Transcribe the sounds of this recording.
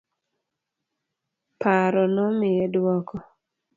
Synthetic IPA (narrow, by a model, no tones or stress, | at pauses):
pʰaɾɔnɔmɪɛdwɔkɔ